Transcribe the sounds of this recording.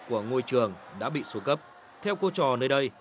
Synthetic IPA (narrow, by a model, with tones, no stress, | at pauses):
ku˧˩əŋo˧jt͡ɕɨ˨˩əŋɗa̰ː˧˥ɓḭ˧˨su˨˦kə˦˥p̚ | t̪ʰɛ˧wko˧t͡ɕɔ˨˩nəː˧jɗə˧j